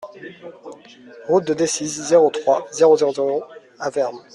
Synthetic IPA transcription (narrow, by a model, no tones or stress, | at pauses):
ʁut̪̚d̪əd̪esizzeʁot̪χwazeʁozeʁozeʁo | avɛʁn